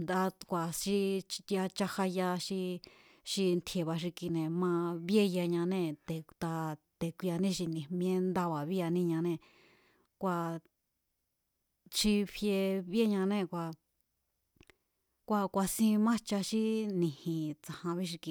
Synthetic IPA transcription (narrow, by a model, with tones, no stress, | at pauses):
nd̪a˧kʷa˨ʃi˧ja˧t͡ʃa˧ha˧ja˧ʃi˧ | ʃi˧nt̪ʰje˨βa˧ʃ̬i˧ki˧nẽ˨mã˧βje˦ja˧ɲã˧nẽ˧˨t̪e˨t̪a˧t̪e˨kʷi˧a˧nĩ˦˧ʃ̬i˧nĩ˨mĩ˧ẽ˦nd̪a˧βa˨βi˦a˧nĩ˦˧ɲã˧nẽ˧˨ | kʷa˧ | ʃi˧βje˧βe˦ɲã˧nẽ˦˨kʷa˧ | kʷa˧kʷa˧sĩ˧mã˦t͡ʃa˧ʃi˦nĩ˨hĩ˨t͡sa˨hã˧βi˦ʃ̬i˧ki˧